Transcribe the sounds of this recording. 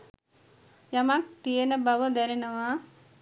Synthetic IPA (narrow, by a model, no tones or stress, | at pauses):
jamak̚t̪ijənəbaʋəd̪ɛɾenəʋa